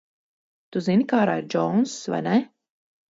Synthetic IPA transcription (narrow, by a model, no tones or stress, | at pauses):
t̪uzinikaːɾa̰ːiɾd͡ʒɔnsva̰jnɛ